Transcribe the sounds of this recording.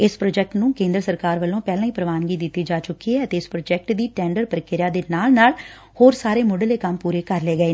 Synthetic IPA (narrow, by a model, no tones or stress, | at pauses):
ɪspɾoːd͡ʒɛːk̚ʈnũːkẽːnd̪ɾəsəɾkaːɾʋəlːõːpɛːlãːĩːpɾəʋaːnɡiːd̪ɪt̪ːiːd͡ʒaːt͡ʃʊkːiːɛːət̪eːɪspɾoːd͡ʒɛːk̚ʈd̪iːʈɛːɳɖəɾpəɾəkɪɾɪjaːd̪eːnaːlnaːl | hoːɾsaːɾeːmʊɖəleːkəmpuːɾeːkəɾleːɡəeː